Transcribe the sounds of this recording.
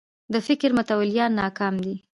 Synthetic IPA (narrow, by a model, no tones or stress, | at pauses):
d̪əfɪkɾmʊt̪awaljɑnːɑkɑmd̪i